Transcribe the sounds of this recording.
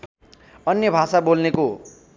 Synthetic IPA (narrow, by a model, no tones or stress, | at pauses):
ʌnjʌbʱasabolneko